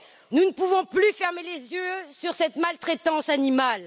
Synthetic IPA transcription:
nunəpuvɔ̃plyfɛʁmelezjøsyʁsɛt̪malt̪χet̪ɑ̃sanimal

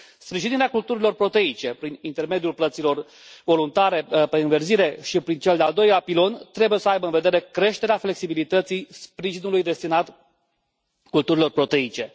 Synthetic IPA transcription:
spɾiʒiniɾeakult̪uɾilo̞rpɾo̞t̪e̞it͡ʃe̞pɾinint̪e̞rme̞d̪julplət̪silo̞r | vo̞lunt̪aɾe̞peɨnverziɾe̞ʃipɾint͡ʃe̞ld̪eald̪o̞jlʲapilo̞nt̪ɾe̞buje̞səajbəɨnve̞d̪e̞ɾe̞kɾe̞ʃt̪e̞ɾeafle̞ksibilit̪ət̪sijspɾiʒinulujd̪e̞st̪inat̪ | kult̪uɾilo̞rpɾo̞t̪e̞it͡ʃe̞

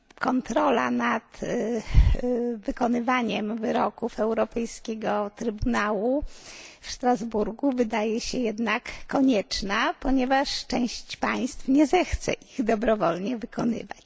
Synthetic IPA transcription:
kɔnt̪ɾɔla̰nat̪ | vɘkɔnɘvaɲɛmvɘɾɔkufɛwɾɔpɛjskʲɛɡɔt̪ɾɘbunawu | fʂt̪ɾazbuɾɡuvɘd̪ajɛɕɛjɛd̪nakːɔɲɛt͡ʂnapɔɲɛvaʂt͡ʂɛ̃w̃ɕt͡ɕpaj̃st̪fɲɛzɛxt̪sɛ̰ʔiɣd̪ɔbɾɔvɔlɲɛvɘkɔnɘ̰va̰t͡ɕ

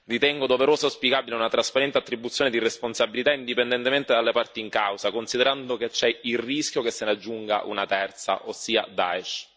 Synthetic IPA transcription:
rit̪ɛŋɡod̪oveɾoːsaspjikaːbileunat̪ɾaspaɾɛnt̪eat̪ːɾibːut̪sjoːned̪iresponsabilit̪aind̪ipend̪ɛnt̪ement̪ed̪alːepart̪iːŋkawsakonsid̪eɾand̪oket͡ʃːɛilriskʲjokesːenad͡ʒːuŋɡa̰ʔṵnat̪ɛrt̪sa̰ʔosːiːad̪a̰eʃ

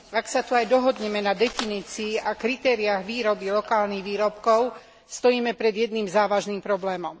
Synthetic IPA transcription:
aksat̪uajd̪ɔɦɔd̪ɲɛmɛnad̪ɛfiniːt͡siːʔakɾit̪ɛːɾiaɣʋiːɾɔbilɔkaːlniɣʋiːɾɔpkɔʊ | st̪ɔjiːmɛpɾɛd̪jɛd̪nimzaːʋaʒnimpɾɔblɛːmɔm

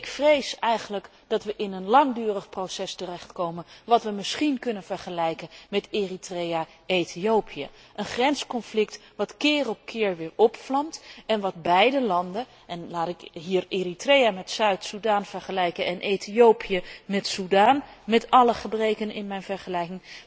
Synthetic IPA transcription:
ɪkfrejsɛjχənlək | d̥ɑtʋəʔɪnənlɑŋdyːrəχprowsɛstərɛχtkowmənʋɑtʋəmɪsχinkɵnənv̥ɛɹχəlɛjkənmɛtɪritreja | ejtʰiowpʰijə̰ | ʔənχrɛnskɔnflɪktʋɑtkɪːrɔp̚kʰɪːɹʋɪːɹɔpflɑmtɛnʋɑd̚bɛjdəlɑndə | ʔɛnlaːtɪkɦiːɹɪritrejamɛtsœɥtsudaːnv̥ɛɹχəlɛjkənɛnʔejtiowpijəmɛtsudaːnmɛtɑləχəbrejkənɪ̰nmɛjnvɛɹχəlɛjkɪŋ

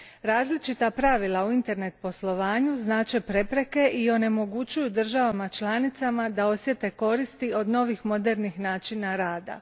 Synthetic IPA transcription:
ɾaːzlit͡ʃit̪apɾaʋilˠauint̪e̞ɾne̞t̪̚po̞slo̞ʋaːɲuznaːt͡ʃe̞pɾe̞pɾe̞ke̞ʔio̞ne̞mo̞ɡut͡ʃujud̪r̩ʒaʋamat͡ʃlˠaːnit̪samad̪ao̞sʋje̞t̪e̞ko̞ɾist̪io̞d̪no̞ʋixmo̞d̪e̞ɾnixnaːt͡ʃinaɾaːd̪a̰

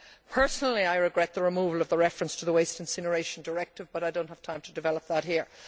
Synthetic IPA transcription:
pʰɜ˞snl̩ˠiaɪɹɪɡɹɛt̪̚ðəɹɪmuːvəlˠʌvðəɹɛfɹə̃nstʰəðəweɪstɨ̃nsɪnə˞eɪʃə̃n̩də˞ɛk̚tɨvbʌɾaɪdõʊ̃nt̚həv̥tʰãɪ̃mtʰədɨvɛlˠəp̚ðət̚hiɹ

